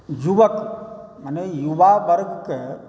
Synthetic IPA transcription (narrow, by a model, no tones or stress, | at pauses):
d͡ʒuʋəkmənejuʋaʋɐɾɡʱke